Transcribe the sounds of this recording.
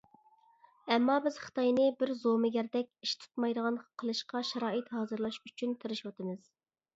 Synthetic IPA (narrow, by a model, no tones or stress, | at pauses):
ɛmːɑbɪz̥χə̥t̪ʰɑjnɨbɪɾzomɪɡʲæɾd̪ɛk̚ʲiʃt̪ʰu̥t̪mɑjd̪əʁɑnqʰəlˠɨʃqɑʃɛɾɑːɨt̪hɑːzɨɾlˠɑʃyt͡ʃʰynt̪ʰɨɾɨʃwɑt̪ɨmɨz̥